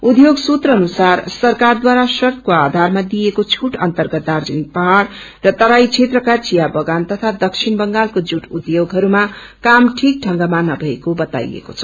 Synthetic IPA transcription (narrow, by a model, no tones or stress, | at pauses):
ud̪joɡsut̪rʌːnusarsʌrkard̪waɾasʌrt̪ʰkoad̪ʱarmad̪ijekot͡sʰuʈʌnt̪ʌrɡʌt̪̚d̪ard͡zʌnik̚pʌɦaɽː | ʌt̪ʌɾajt͡sʰet̪rʌkat͡sijabʌɡant̪ʌt̪ʰad̪ʌksʰinbʌŋɡalkod͡zuʈud̪joɡɦʌɾuma | kamʈʰik̚ʈʰʌŋɡamanʌbʱʌekobʌt̪a̰jḛko̰t͡sʰʌ̥